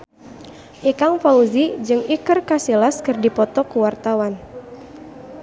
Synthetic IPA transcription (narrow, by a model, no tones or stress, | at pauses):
ʔikaŋfauzid͡ʒɨŋikɨrkasilaskɨrdipɔt̪ɔkuwart̪awan